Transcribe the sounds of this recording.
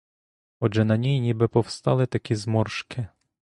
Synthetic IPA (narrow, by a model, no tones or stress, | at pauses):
ɔd͡ʒɛnɐnʲijnʲibɪpɔwst̪ɑlˠɪt̪ɐkʲizmɔrʃkɪ